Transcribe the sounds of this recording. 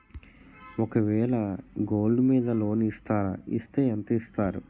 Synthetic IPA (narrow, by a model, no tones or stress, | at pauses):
ɔkɐʋɛːɭɐɡo̞ːɭɖmiːd̪ɐlo̞ːniːst̪aːɾa̰ḭst̪eːɐnt̪ɐist̪aːɾṵ